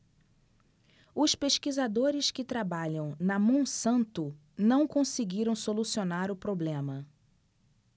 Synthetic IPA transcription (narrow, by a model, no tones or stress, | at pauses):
ʊspeʃkizad̪oɾɪskɪt̪ɾabaʎɐ̃w̃nɐmõsɐ̃nt̪ʊ | nɐ̃w̃kõsɪɡiɾɐ̃w̃solusionaɾʊpɾoblẽmɐ